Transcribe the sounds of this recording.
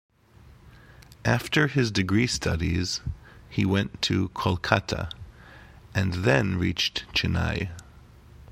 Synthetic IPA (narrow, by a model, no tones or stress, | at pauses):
ʔæftə˞ɪzdɨɡɹistʰʌɾiz̥hiwɛ̃ntʰɨkʰɔlˠkʰaɾə̰ | ɨ̃nðɨ̃nɹit͡ʃtt͡ʃʰɨna̰ɪ